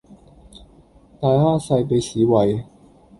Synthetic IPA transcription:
t̪aː˧jhaː˥sa˧jp̬e˧ɕiː˨˦wa˨˧j

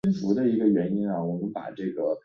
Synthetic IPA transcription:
i˥nfu˧˥d̪ə˧i˧˥ɡə˧ɥɛ˧˥ni˥nɐ˨wɔ˨˩mə˧˥npa̰˨˩ʈ͡ʂɤ˥˩ɡə˩

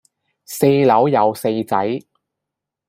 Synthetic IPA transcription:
se˧jlɐ˨˥wjɐ˨˧wse˧jt͡sɐ˨˥j

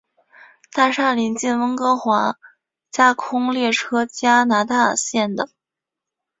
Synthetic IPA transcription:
t̪a˥˧ʂa˥˩li˧˥nt͡ɕi˥˩nwə˥ŋkɤ˧˥xwa˧˥ | t͡ɕja˥kʰʊ˥ŋljɛ˥˩ʈ͡ʂʰɤ˥t͡ɕja˥na˧˥t̪a˥˧ɕjɛ˥˩nd̪ə˩

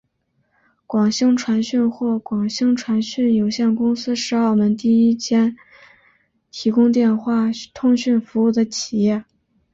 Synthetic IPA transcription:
kwɑ˨˩ŋɕi˥ŋʈ͡ʂʰwa˧˥nɕy˥˧nxwɔ˥˩kwɑ˨˩ŋɕɤ˥ŋʈ͡ʂʰwa˧˥nɕy˥˩njo˨˩ʊɕjɛ˥˩nkʊ˥ŋsɹ̩˥ʂɻ̩˧˥a˞˥˩mə˧˥nt̪i˥˩i˥t͡ɕʰjɛ˥n | t̪ʰi˧˥kʊ˥ŋt̪jɛ˥˧nxwa˥˩t̪ʰʊ˥˧ŋɕy˥˩nfu˧˥u˥˩d̪ə˦t͡ɕʰi˨˩jɛ˥˩

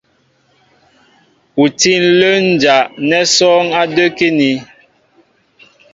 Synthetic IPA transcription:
u˨ti˦˨n̩˦lə˦n̩˨d͡ʒa˨ʔnɛ˦sɔ˦ŋa˦də˦ke˦ni˨˦

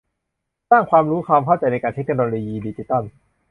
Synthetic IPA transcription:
saː˥˩ŋkʰwaː˧mɾuː˦˥kʰwaː˧mkʰa˥˩wt͡ɕa˧jna˧jkaː˧nt̪ʰe˦˥k̚noː˧loː˧jiː˧diː˧t͡ɕi˧˦˥t̪ɔ˥˩n

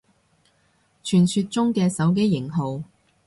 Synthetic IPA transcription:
t͡ʃʰyː˨˩nsy˧t̚t͡sʊ˥ŋkɛː˧sɐ˨˥wk̬e˥jːɪ˨˩ŋɦo˨w

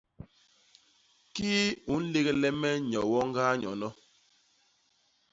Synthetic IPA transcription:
kiː˦u˨˦n̩˦le˦ɣɛ˨lɛ˦mɛ˦ɲɔ˨wɔ˦ŋ˦ɡaː˦ɲɔ˨nɔ˦

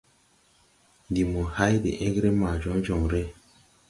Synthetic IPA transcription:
ndi˨mu˨ha˦jdḛ˨ʔe˦ɡɾe˦ma˨d͡ʒɔ˨˦n˦d͡ʒɔ˨ŋɾe˦

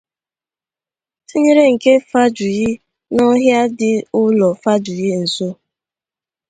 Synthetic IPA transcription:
ti˦ɲe˦ɾe˦ŋ̩˨ke˦fa˦d͡ʒʊ˨ɣɪ˦ | nɔ˦ɦja˦dɪ˨ʊ˦lɔ˨fa˦d͡ʒʊ˨ɣɪ˦n̩˨so˦

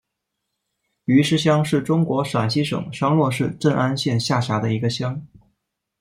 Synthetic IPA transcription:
y˧˥ʂɻ̩˥ɕjɑ˥ŋʂɻ̩˥˩ʈ͡ʂʊ˥ŋkwɔ˧˥ʂa˨˩nɕi˥ʂɤ̰˨˩˦ŋʂɑ˥ŋlwɔ˥˧ʂɻ̩˥˧ʈ͡ʂə˥˩nʔa˥nɕjɛ˥˧nɕja˥˩ɕja˧˥d̪ə˧i˧˥ɡə˧ɕjɑ˥ŋ

